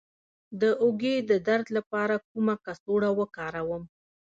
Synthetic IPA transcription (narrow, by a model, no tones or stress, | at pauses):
d̪əʔʊɡed̪əd̪aɾd̪lapɑɾakumakasoɽawəkɑɾawəm